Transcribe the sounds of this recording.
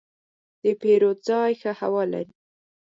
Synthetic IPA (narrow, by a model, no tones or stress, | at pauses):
d̪̥əpeɾozɑjxəha̰wɑla̰ɾi